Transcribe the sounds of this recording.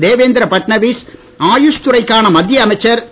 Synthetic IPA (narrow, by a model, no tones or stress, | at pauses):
d̪eːʋeːnd̪ɪɾɐpɐʈnɐʋiːs | aːjʊʂt̪ʊrɐɪkːaːnɐmɐd̪ʱjɐɐmɐɪt͡ʃːɐɾ